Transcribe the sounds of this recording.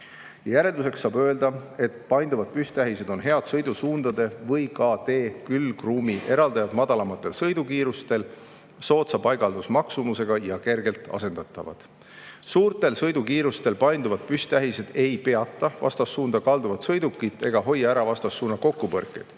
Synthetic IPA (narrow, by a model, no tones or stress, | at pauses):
jɑjæɾe̞ld̪use̞ksːɑːbø̞e̞ld̪̥ɑe̞t̪ːˑpɑjnd̪uvɑd̪̥̚pyst̪æɦise̞d̪o̞nɦe̞ɑd̪̥sɤjd̪usuːnd̪̥ɑd̪e̞vɤjkɑt̪e̞ːkylkruːmiʔe̞ɾɑld̪̥ɑjɑd̪mɑd̪̥ɑlɑmɑt̪ːˑe̞lsɤjd̪ukiːɾust̪e̞l | so̞ːt̪sɑpɑjɡ̥ɑld̪̥usmɑksumuse̞ɡ̥ɑjɑke̞rɡe̞lt̪ˑɑ̰se̞nd̪̥ɑt̪ːˑɑ̰vɑ̰d̪̥ | suːrt̪ˑe̞lsɤjd̪ukiːɾust̪e̞lpɑjnd̪uvɑd̪̚pyst̪æɦise̞d̪̥e̞jpe̞ɑt̪ˑːɑvɑ̰st̪ɑsːuːnd̪̥ɑkɑld̪uvɑt̪sɤjd̪ukːˑit̪ːˑe̞ɡ̥ɑɦo̞jːɑæɾɑvɑst̪ɑsːuːnːɑko̞kːupɤrkːˑe̞̰jd̪̥